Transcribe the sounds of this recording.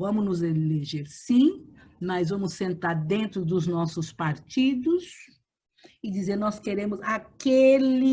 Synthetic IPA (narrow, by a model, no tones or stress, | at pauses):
vɐ̃mʊnʊzeleʒeɾsĩmɐzvɐ̃mʊsːẽnt̪aɾd̪ẽnt̪ɾʊd̪ʊznɔsʊspaɾt͡ʃid̪ʊs | ɪd͡ʒizeɾnɔskeɾẽmʊzakelɪ